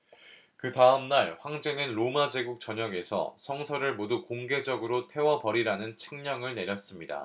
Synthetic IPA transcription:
kɯtaɯmnaɭɸwaŋd͡ʑeŋɯnɾomad͡ʑe̞ɡuk̚t͡ɕʌɲʌɡe̞sʰʌ̰sʰʌŋsʰʌɾɯɭmodukoŋɡe̞d͡ʑʌɡɯɾotʰe̞wʌpʌɾiɾanɯnt͡ɕʰɯŋɲʌŋɯɭne̞ɾjʌs͈ɯmɲida̰

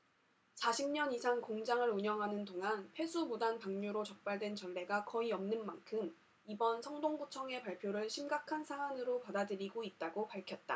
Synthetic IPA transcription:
sʰaɕʰimɲʌnisʰaŋkoŋd͡ʑaŋɯɾuɲʌŋɦanɯndoŋɦanpʰwe̞sʰumudanpaŋɲuɾot͡ɕʌk̚p͈aɭdwe̞nt͡ɕʌɭːe̞ɡakʌiʌmnɯnmankʰɯm | ibʌnsʰʌŋdoŋɡut͡ɕʰʌŋe̞paɭpʰjoɾɯɭɕʰimɡakʰansʰaanɯɾopadadɯɾiɡoit̚t͈aɡopaɭkʰjʌt̚t͈a̰

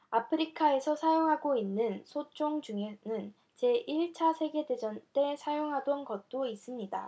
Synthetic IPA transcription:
apʰɯɾikʰae̞sʰʌsʰajoŋɦaɡoinːɯnsʰot͡ɕ͈oŋd͡ʑuŋenɯn | t͡ɕe̞ʔiɭt͡ɕʰasʰeɡe̞dwe̞d͡ʑʌnt͈e̞sʰajoŋɦadʌnɡʌt̚t͈ois͈ɯmɲida̰

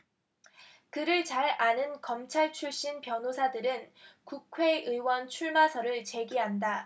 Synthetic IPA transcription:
kɯɾɯɭt͡ɕaɾanɯnkʌmt͡ɕʰaɭt͡ɕʰuɭɕ͈inpjʌnosʰadɯɾɯnkukʰwe̞ʔɯwʌnt͡ɕʰuɭmasʰʌɾɯɭt͡ɕe̞ɡiɦanda

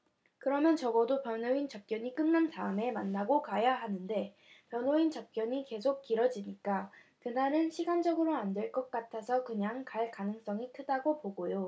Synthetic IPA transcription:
kɯɾʌmjʌnt͡ɕʌɡʌdopjʌnoint͡ɕap̚k͈jʌɲik͈ɯnnantaɯme̞manːaɡokajaɦanɯnde̞ | pjʌnoint͡ɕap̚k͈jʌɲike̞s̬ʰok̚k͈iɾʌd͡ʑiɲik͈a | kɯnaɾɯnɕʰiɡand͡ʑʌɡɯɾoandweɭk͈ʌk̚k͈atʰasʰʌkɯɲaŋkaɭkanɯŋs͈ʌŋikʰɯdaɡopoɡojo

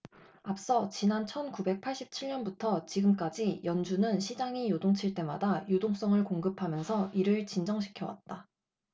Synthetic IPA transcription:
ap̚s͈ʌt͡ɕinant͡ɕʰʌnkube̞k̚pʰaɭɕ͈ip̚t͡ɕʰiɭɲʌnbutʰʌt͡ɕiɡɯmk͈ad͡ʑijʌnd͡ʑunɯnɕʰid͡ʑaŋijodoŋt͡ɕʰiɭt͈e̞ma̰dajodoŋs͈ʌŋɯɭkoŋɡɯpʰamjʌnsʰʌiɾɯɭt͡ɕind͡ʑʌŋɕ̬ʰi̥kʰjʌwa̰t̚t͈a

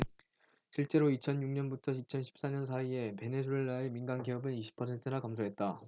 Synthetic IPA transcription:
ɕʰiɭt͡ɕ͈e̞ɾoit͡ɕʰʌnjuŋɲʌnbutʰʌit͡ɕʰʌnɕʰi̥p̚s͈aɲʌns̬ʰaie̞pe̞ne̞s̬ʰueɭːaeminɡanɡeʌbɯniɕʰi̥pʰʌsʰe̞ntʰɯnakamsʰoɦe̞t̚t͈a

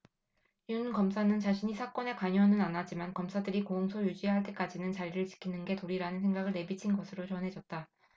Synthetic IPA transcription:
junkʌmsʰanɯnt͡ɕaɕʰiɲisʰak͈ʌne̞kwaɲoʌnɯnanad͡ʑimankʌmsʰadɯɾikooŋsʰojud͡ʑiaɦaɭt̬͈e̞k͈ad͡ʑinɯnt͡ɕaɾiɾɯɭt͡ɕi̥kʰinɯnɡe̞toɾiɾanɯnsʰe̞ŋɡaɡɯɭne̞bit͡ɕʰinɡʌsʰɯɾot͡ɕʌnɦe̞d͡ʑʌt̚t͈a

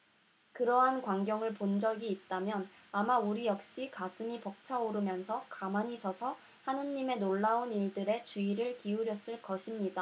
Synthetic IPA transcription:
kɯɾʌɦankwaŋɡjʌŋɯɭpond͡ʑʌɡiːt̚t͈amjʌnamauɾijʌk̚ɕ͈ikasʰɯmipʌk̚t͡ɕʰaoɾɯmjʌnsʰʌkamaɲisʰʌsʰʌ | hanɯnːime̞noɭːaoniɭdɯɾe̞t͡ɕuiɾɯɭkiuɾjʌs͈ɯɭkʌɕʰimɲida

